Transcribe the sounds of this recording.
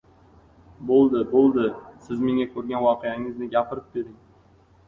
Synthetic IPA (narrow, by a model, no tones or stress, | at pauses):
bolˠd̪ɪbolˠd̪ɪsɪzme̞ŋakʰɵɾɡʲanwɒqejaŋɪznɪɡʲapʰɪɾɪp̚d̪ed̪ɪŋ